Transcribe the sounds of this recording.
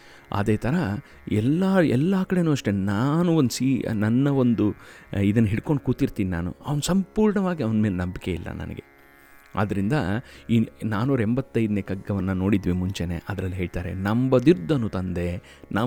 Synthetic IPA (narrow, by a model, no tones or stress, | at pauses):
a̰d̪e̞ːt̪ʰɐɾɐ | ɛlːaɛlːaːkɐɽe̞ːnuːɐʂʈe̞naːnuond̪siːnɐnːɐo̞nd̪uid̪ɐnːɐɦiɽko̞ɳɖ̚kuːt̪iɾt̪iːnina̰ːnṵɐʋɐnusɐmpuːɾɳɐʋaːɡiɐʋɐnme̞ːlnɐmbike̞ḭlːɐ̰nɐ̰nɐ̰ɡe̞̰ | a̰ːd̪ɐɾind̪ɐinaːnuːɾɐembɐt̪ːɐjd̪neːkɐɡːɐʋɐnːɐno̞ːɽid̪ʋimuɲt͡ʃenḛːʔɐd̪ɐɾɐlːiɦe̞ːɭt̪aːɾe̞̰nɐmbɐd̪iɾd̪ːɐnːut̪ɐnd̪e̞ | na